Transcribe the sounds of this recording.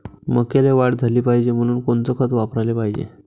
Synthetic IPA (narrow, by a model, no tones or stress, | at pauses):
məkeleʋaʈd͡zʱaliːpaɦid͡ʑem̤əñuːnkoɳt͡səkʰət̪ʋapɾalepaɦid͡ʑḛ